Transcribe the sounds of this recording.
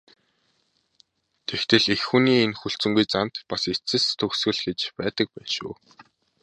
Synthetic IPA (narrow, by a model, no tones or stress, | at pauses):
t̪ʰext̪ɘ̆ɮexxuːniːenxuɬt͡sɵ̆ŋɡujt͡san̥t̪paset͡sɘ̆st̪ʰɵxsɡɘ̆ɮɡet͡ɕpæːt̪ə̆k̚pæːnʃṵː